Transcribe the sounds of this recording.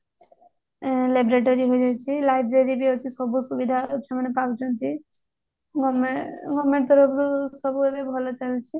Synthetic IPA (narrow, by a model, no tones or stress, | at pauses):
lebɾeʈoɾiɦojd͡ʒajt͡ʃʰilajbɾeɾibiɔt͡ʃʰisɔbusubid̪ʱat͡ʃʰamɔnepawt͡ʃʰɔnt͡ʃʰi | ɡɔmeɡɔmeʈt̪ɔɾɔpɾusɔbuebebʱɔlɔt͡ʃalt͡ʃʰi